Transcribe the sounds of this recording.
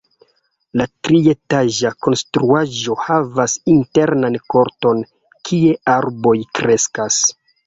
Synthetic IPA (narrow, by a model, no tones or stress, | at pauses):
latɾie̞taʒako̞nstɾuaʒo̞havasinte̞ɾnanko̞ɾto̞n | kʰie̞aɾbo̞jkɾe̞skas